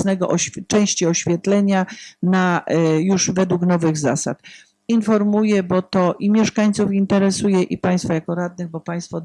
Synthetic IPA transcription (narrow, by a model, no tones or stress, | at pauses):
nɛɡɔʔɔɕt͡ʂɛ̃w̃ɕt͡ɕiɔɕfʲjɛt̪lɛɲanajuʂvɛd̪wuknɔvɘɣzasa̰t̪ | infɔɾmujɛbɔt̪ɔʔimʲjɛʂkaɲt̪sufint̪ɛɾɛsujɛʔipaj̃st̪fɔjakɔɾad̪̚nɘɣbɔpaj̃st̪fɔ